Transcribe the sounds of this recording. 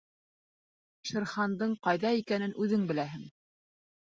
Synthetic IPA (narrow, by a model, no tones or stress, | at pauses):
ʃɘ̆ɾχɑnd̪ɤɴqɑjðɑikænɘnʔʉðɘŋbɘ̆læɦɘŋ